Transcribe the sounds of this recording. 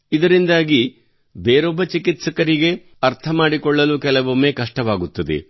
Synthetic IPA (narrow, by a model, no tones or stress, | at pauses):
id̪ɐɾind̪aːɡi | beːɾɔbːɐt͡ʃikit̪sɐkɐɾiɡe̞ | ɐɾt̪ʰɐmaːɽikɔɭːɐlukɛlɐʋɐmeːkɐʂʈɐʋaːɡut̪ːɐd̪ḛ